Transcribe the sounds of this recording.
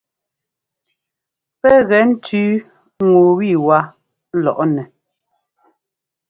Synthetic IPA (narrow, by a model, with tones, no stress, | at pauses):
pɛ˦ɣɛ˨n̩˦tʉː˦ | ŋo˨wi˦˨wa˦ | lɔ̰˨ʔɔ˦nɛ˨